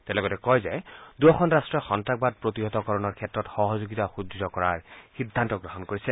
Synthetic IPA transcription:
tɛlɔɡɔtɛkɔjzɛduɔxʰɔnɹastɹɔxɔntɹak̚bad̚pɹotiɦɔtɔkɔɹɔnɔɹkʰɛtɹɔtxɔɦɔzoɡitaxuuzɔkɔɹaɹxidʱːantɔɡɹɔɦɔnkoɹisɛ

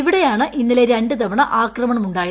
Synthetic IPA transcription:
iʋiɽe̞jaːɳɨʔinːile̞ɾeɳɖɨd̪ɐʋɐɳɐʔaːkrɐmɐɳɐmuɳɖaːj

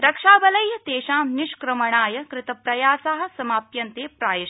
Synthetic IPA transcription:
ɾɐkʂaːbɐlɐjɐt̪eːʃaːmniʃkɾɐmɐɳaːjɐkɾɪt̪ɐpɾɐjaːsaːɦɐ̆sɐmaːp̚jɐnt̪eːpɾaːjɐʃ

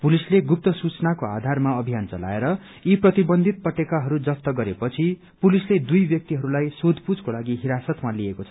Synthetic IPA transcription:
pulisleɡup̚t̪ʌsut͡sʌnakoa̰d̪ʱarmaʌbʱijant͡sʌ̰la̰eɾʌ | iprʌt̪ibʌnd̪ʱit̪̚pʌʈekaɦʌɾud͡zʌpt̪ʌɡʌɾepʌt͡sʰi | pulisled̪ujbjʌk̚t̪iɦʌɾulajsod̪ʱpud͡zkolaɡiɦiɾasʌt̪maliekot͡sʰʌ

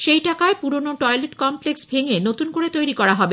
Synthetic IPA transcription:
ʃejʈakaepuɾonoʈɔjleʈkɔmpleksbʱeŋenot̪unkoɾet̪ojɾikɔɾaɦɔbe

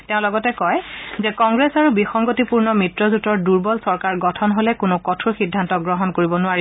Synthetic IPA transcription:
teʊ̃lɔɡɔtɛkɔjzɛkɔŋɡɹesaɹubixɔŋɡotipuɹnɔmɹitɹɔzutɔɹduɹbɔlsɔɹkaɹɡɔtʰɔnɦolɛkʊnʊkɔtʰɹuxidʱːantɔk̚ɡɹɔɦɔnkoɹibɔnʊaɹi

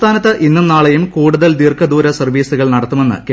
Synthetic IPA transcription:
t̪ʰaːnɐt̪ːɨʔinːumnːaːɭejumkuːɽuðɐld̪iːrkɐd̪uːɾɐsɐrʋiːsuɣɐɭnɐɽɐt̪ːume̞nːɨ̰ke

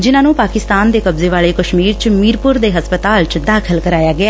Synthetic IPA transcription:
d͡ʒɪnãːnũːpaːkɪst̪aːnd̪eːkəbzeːʋaːɭeːkəʃmiːɾt͡ʃmiːɾpʊɾd̪eːɦəspət̪aːlt͡ʃd̪aːkʰəlkəɾaːjaːɡɪaː

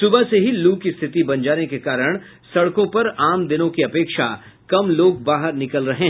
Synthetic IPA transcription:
sʊbaseɦiluːkist̪ʰɪt̪ibɐ̃nd͡ʒaːnekekaːɾəɽ̃ | sɐɽkõpɐɾaːmd̪ɪnõkiɐpeːkʃa | kɐmloːɡ̚baːɦəɾnɪkəlɾɐɦẽ

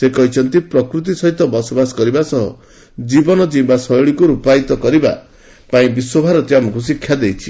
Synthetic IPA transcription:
sekɔɦit͡ʃʰɔnt̪ipɾɔkɾut̪̬isɔɦit̪ɔbɔsɔbasɔ̥kɔɾibasɔɦɔ̰ | d͡ʒibɔnɔd͡ʒibasɔjɭikuɾupajt̪ɔkɔɾiba̰ | paĩbiswɔbʱaɾɔt̪jamɔkus̬ikʰjad̪ejt͡ʃʰi̥

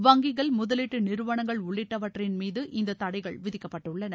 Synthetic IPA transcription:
ʋɐŋɡɪɣɐɭmʊðɐlɪʈːɯnɪɾɯʋɐɳɐŋɡɐɭʊɭːɪʈːɐʋɐʈrɪnmiːðɯʔʔɪnd̪ɐt̪ːɐɽɐɪɣɐɭʋɪðɪkːɐpːɐʈːɯɭːɐnɐ

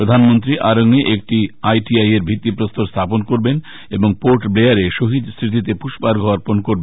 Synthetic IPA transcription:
pɾod̪ʱanmont̪ɾiʔaɾoŋeʔek̚ʈiajʈiajeɾbʱit̪ːipɾost̪oɾst̪ʰaponkoɾben | eboŋpoɾʈbleaɾeʃoɦid̪st̪ɾit̪̬it̪̬epuʃbaɾɡʱɔaɾponkoɾbe

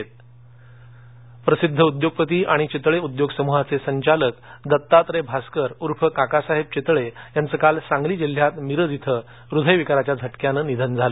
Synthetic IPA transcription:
t̪̚ | pɾəsid̪ʱːəud̪joɡ̚pət̪̬iːʔaɽ̃it͡ɕet̪ɭeud̪joɡsəmuɦat͡sesəɲt͡ɕaləkd̪ət̪ːat̪ɾebʱaskəɾuɾfʰəkakasaɦeb̚t͡ɕet̪ɭejant͡səkalsãŋɡliːd͡ʑil̤ːjat̪miɾəd̪it̪ʰə | ɾud̪ʱəjʋikaɾat͡ɕjad͡zʱəʈkjanənid̪ʱənd͡zʱalə

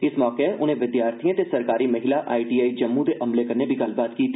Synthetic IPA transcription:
ɪsmɔːkeʔʊn̤ẽʋɪd̪jaːɾt̪ʰiẽt̪esɐɾkaːɾimɐɦɪlaʔa̰ːiʈiːaːid͡ʒɐmːũt̪eʔɐmlekɐɾnebʱiɡaːlbaːt̪kiːt̪ʰː

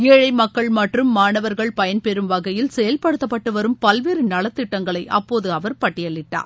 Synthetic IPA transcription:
eːɻɐɪmɐkːɐɭmɐʈrɯmːaːɳɐʋɐɾɣɐɭpɐjɐnpɛɾɯmʋɐɣɐjɪlsɛjɐlpɐɽɯt̪ːɐpːɐʈːɯʋɐɾɯmpɐlʋeːɾɯnɐɭɐt̪ːɪʈːɐŋɡɐɭɐɪʔɐ̰pːoːðɯɐʋɐɾpɐʈːɪjɐɭːɪʈːa̰ːɾ

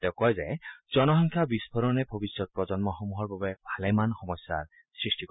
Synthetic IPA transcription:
tɛʊkɔjzɛzɔnɔɦɔŋkʰjabisbʱɔɾɔnɛbʱobisɹɔt̚pɹɔzɔnmɔxomuɦɔɹbabɛbʱalɛmanxɔmɔsːa̰ɹ | sɹisʈik

